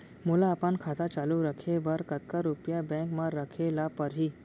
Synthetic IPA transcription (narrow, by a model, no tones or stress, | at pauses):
mulaːpənkʰat̪at͡ɕaluɾəkʰebəɾkət̪̚kaɾupjabɛ̃kmaɾəkʰelapəɾɦi